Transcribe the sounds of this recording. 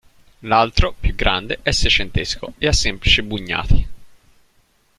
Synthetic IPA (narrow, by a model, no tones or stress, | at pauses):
lalt̪ɾopjuɡɾʔa̰nd̪eʔɛsːet͡ʃent̪esko̰easːemplit͡ʃibuɲːa̰ːt̪ʰi